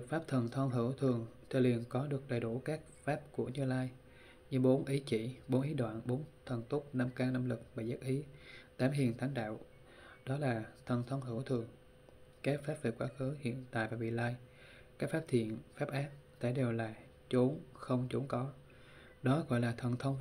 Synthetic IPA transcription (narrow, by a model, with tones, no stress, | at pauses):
ɨ˨˩k̚faː˦˥p̚t̪ʰə˨˩nt̪ʰə˧wŋ͡mɦɨ̰˧˩əwt̪ʰɨ˨˩əŋt̪ʰɨ˨˧˩li˨˩ənkɔ˨˦ɗɨ˨˩ək̚ɗə˨˩jɗu˧˩kaː˦˥k̚faː˦˥p̚ku˧˩əɲɨ˧laː˧j | ɲɨ˧ɓo˨˦nʔi˨˦t͡ɕḭ˧˩ɓo˨˦nʔi˨˦ɗwa̰ː˧˨nɓo˨˦nt̪ʰə˨˩nt̪u˦˥k͡p̚na˧mkaː˧ŋna˧mlɨ˨˩k̚ɓaː˨˩zaː˦˥k̚ʔi˨˦t̪aː˨˦mɦḭ˨˩ənt̪ʰa˨˦ŋɗa̰ː˧˨w | ɗɔ˨˦laː˨˩t̪ʰə˨˩nt̪ʰə˧wŋ͡mɦɨ˧˩əwt̪ʰɨ˨˩əŋ | kaː˦˥k̚faː˦˥p̚ve˨˩kwaː˨˦xɨ˨˦hḭ˧˨ənt̪a̰ː˧˨jvaː˨˩ɓḭ˧˨laː˧j | kaː˦˥k̚faː˦˥p̚t̪ʰḭ˧˨ənfaː˦˥p̚ʔaː˦˥p̚t̪a̰˧˩ɗe˨˩wlaː˨˩ | t͡ɕo˨˦nxə˧wŋ͡mt͡ɕo˨˦nkɔ˨˦ | ɗɔ˨˦ɣɔ̰˧˨jlaː˨˩t̪ʰə˨˩nt̪ʰə˧wŋ͡m